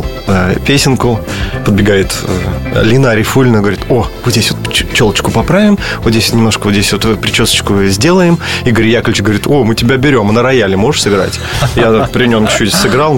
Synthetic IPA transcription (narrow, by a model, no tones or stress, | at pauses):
əpʲesʲɪnkʊpəd̪̚bʲɪɡajɪt̪əlʲinaɾʲɪfulʲɪnəɡəvɐɾʲit̪ovɨzʲdʲesʲvot̪pt͡ɕolˠət͡ɕkʊpɐpɾavʲɪmvot̪zʲesʲot̪nʲɪmnoʂkəvt̪zʲdʲesʲvot̪pɾʲɪt͡ɕosə̥t͡ɕkʊzʲdʲe̞lˠəjɪmiɡəɾʲjakəlʲɪt͡ɕʲɡəvɐɾʲit̪ʰo̞mɨtʲɪbʲabʲɪɾʲo̞mnəɾɐjalʲmo̞ʐɨʂsɨɡɾa̰tʲ | japɾʲɪnʲo̞mt͡ɕʊ̥t͡ɕːutʲsɨɡɾɑlˠ